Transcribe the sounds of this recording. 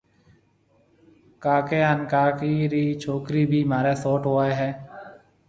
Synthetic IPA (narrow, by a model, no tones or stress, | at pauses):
kaːkeːənkaːkiɾiːt͡ʃʰoːkɾiːbʱiːmaːɾeːsoːʈɦoːaːeɦɛː